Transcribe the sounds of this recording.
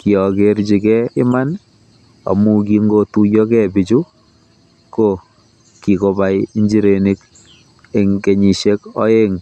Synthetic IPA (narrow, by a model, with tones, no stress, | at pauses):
ki˨ɔ˨ke˦ɾt͡ʃi˨kɛ˦ɪ˦ma˦n | a̰˨mu˦k̬i˦ŋɡo˦tu˦jɔ˦kɛ˦bi˨t͡ʃu˦ | ko˦ | ki˨ko˨ba˨˦jnd͡ʒi˦ɾe˨ni˦k | e˨ŋke˨ɲi˨ʃe˦kɔ˦e˦ŋ